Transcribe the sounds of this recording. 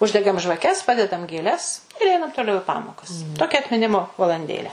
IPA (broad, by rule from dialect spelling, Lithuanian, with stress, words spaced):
ˈʊʒʲdʲɛɡɐm ʒʋɐˈkʲɛs ˈpɑːdʲɛdɐm ɡʲeːˈlʲɛs ɪr ˈɛɪnɐm toːˈlʲɛʊ ɪ ˈpɑːmoːkɐs ˈtoːkʲɛ ɐtʲmʲɪˈnʲɪmoː ʋɐlˠɐnʲˈdʲeːlʲæː